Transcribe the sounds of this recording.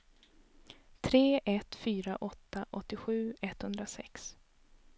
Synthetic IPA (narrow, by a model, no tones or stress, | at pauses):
t̪ʰɾeːʔɛt̪fyːɾaʔɔt̪ːaʔɔt̪ːɪɧʉ̟ːɛt̪hɵnd̪ɾasɛ̰ks